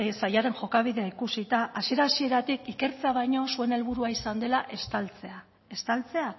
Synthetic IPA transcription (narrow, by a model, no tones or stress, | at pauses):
sajaɾe̞nʝo̞kaβ̞iðe̞aikusit̪aʔasie̞ɾaːsie̞ɾat̪ikike̞ɾt͡se̞aβ̞ajɲo̞sue̞ne̞lβuɾuaisand̪e̞laʔest̪alt͡sea | est̪alt͡se̞a